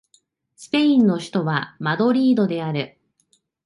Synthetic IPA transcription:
sɨ̥pe̞ĩnːo̞çi̥t̪o̞βamad̪o̞ɾʲiːd̪od̪e̞aɾɯ̟

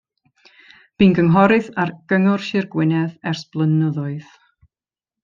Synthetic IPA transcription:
b̥inɡəŋɦɔɾɨθarɡ̥əŋʊrʃɪrɡwɪnɛðɛrsb̥lˠənəðʊɨð

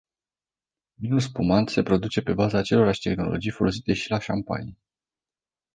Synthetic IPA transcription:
minuspumant̪se̞pɾo̞d̪ut͡ʃe̞pe̞bazaːt͡ʃe̞lo̞ɾaʃt̪e̞xno̞̰lo̞̰d͡ʒijfo̞lo̞s̬it̪e̞ʃilaʃampa̰nij

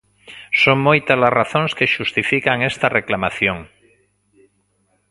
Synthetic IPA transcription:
soŋmojt̪alazraθõŋskeʃust̪ifikaŋest̪areklamaθjoŋ

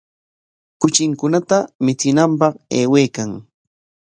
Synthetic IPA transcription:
kʊt͡ʃɪŋkʊnat̪amɪt͡sɪnampɑχḛːwejkaŋ

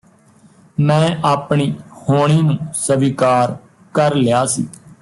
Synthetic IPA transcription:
mɛ̃ːʔaːpɳiːhoːɳ̃iːnũːsəʋiːkaːɾ | kəɾlɪjaːsḭː

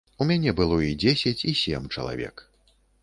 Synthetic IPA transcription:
umʲanʲɛbɨlˠɔid͡zʲesʲɐt͡sʲisʲɛ̰mt͡ʂɐ̰lˠa̰vʲɛ̰k

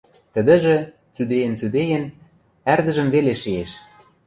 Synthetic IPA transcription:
t̪ə̆d̪ə̆ʒĕ | t͡syd̪ejə̆nt͡syd̪ejɘ̆n | ærd̪ə̆ʒə̆mveleʃieʃ

